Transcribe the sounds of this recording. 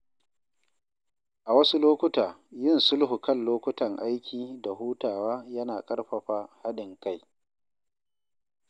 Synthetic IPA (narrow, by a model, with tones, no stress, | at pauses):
ʔa˨wɐ˦su˦loː˦kʷʊ˦taː˨jɪ˦˨nsʊ˦lɦu˨kɐ˦˨nloː˦kʷʊ˦tɐ˨ŋʔa˦jkʲiː˨da˨ɦuː˦taː˨waː˦jɐ˦naː˨kʼɐ˦ɽɸɐ˨ɸaː˦ha˦ɗɪ˨ŋka˦˨j